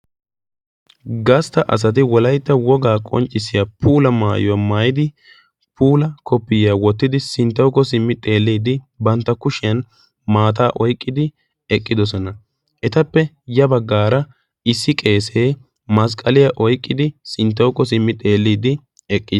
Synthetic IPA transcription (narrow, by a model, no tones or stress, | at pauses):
ɡɐst̪ɐʔɐ̰s̬ɐt̪̬ɪwɔlɐjt̪ːɐwɔɡaːkʼɔ̰nt͡ʃʼːɪsːɪjapʰuːlɐmaːjɔɐmaːjɪd̪ɪ | pʰuːlɐkɔpːɪjawɔt̪ːɪd̪ɪsɪnt̪ːɐwkːɔsɪmːɪt̪ʼe̞ːlːiːd̪ɪ | bɐnt̪ːɐkʊʃɪjɐn | maːt̪̬aːʔɔjkʼːɪd̪ɪ | ɛkʼːɪd̪ɔs̬ɔnɐ | ʔɛt̪ɐpːɛ | jɐbɐɡːaːɾɐ | ɪsːɪkʼe̞ːseː | mɐs̬kʼːɐlɪjɐʔɔjkʼːɪd̪ɪsɪnt̪̬ːɐwkːɔsɪmːɪt̪ʼe̞ːlːiːd̪ɪ | ɛkʼːɪs